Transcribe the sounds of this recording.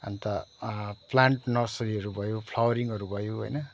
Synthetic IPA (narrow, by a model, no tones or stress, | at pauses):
a̰nt̪ʌ | plaɳʈnʌrsʌɾiʌɾubʱʌjopʰlawʌɾiŋʌɾubʱʌjoɦojnʌ